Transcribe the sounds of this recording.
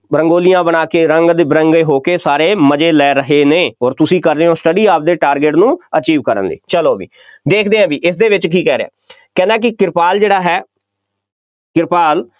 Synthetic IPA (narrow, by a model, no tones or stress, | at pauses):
bɾəŋɡoːlɪjãːbənaːkeːɾəŋɡd̪bɾəŋɡeːɦoːkeːsaːɾeːməd͡ʒeːlɛːɾəɦeːneːɔːɾt̪ʊsĩːkəɾdeːõːsʈəɖiːaːp̚d̪eːʈaːɾɡeʈnũːət͡ʃiːʋkəɾə̰nlḛːt͡ʃəloːbḭː | d̪eːkʰd̪eːãːbiːʔɪsd̪eːʋɪt͡ʃkiːkɛːɾeã̰ː | kɛ̃ːnd̪ɛ̃ːk̬ɪkɪɾpaːld͡ʒeːɽaːɦɛː | kɪɾpaːl